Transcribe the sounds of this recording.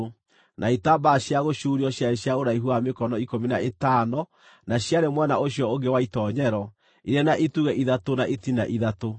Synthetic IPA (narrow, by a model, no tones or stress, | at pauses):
nʔaitabaɕjaɣoɕuɾiɔɕjaɾeɕjaoɾaiɦuamekɔnɔikominaetanɔ | naɕjaɾemwɛnaoɕijɔoɡewaitɔɲɛɾɔ | iɾɛnaʔetuɣɛʔiðatonaʔetinaʔiðato